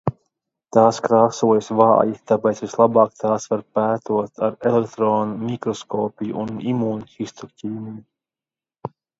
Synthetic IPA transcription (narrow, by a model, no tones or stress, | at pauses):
t̪aːskɾaːsuɔjsvɑ̰ːjit̪apɛt̪svislˠabɑːkt̪ʰaːsvaɾpæːt̪uɔt̪ʰaɾelekt̪ɾoːnumʲikɾɔskɔːpʲijuʔunimuːnʲcist̪ucʲiːmʲiju